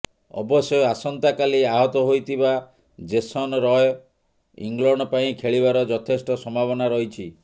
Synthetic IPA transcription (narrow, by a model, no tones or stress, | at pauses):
ɔ̰bɔsɔjasɔnt̪akaliaɦɔt̪ɔɦojt̪ʰiba | d͡ʒesɔnɾɔj | ḭŋɡlɔɳɖɔpaĩkʰeɭibaɾɔd͡ʒɔt̪ʰesʈɔsɔmʱabɔnaɾɔɦit͡ʃʰi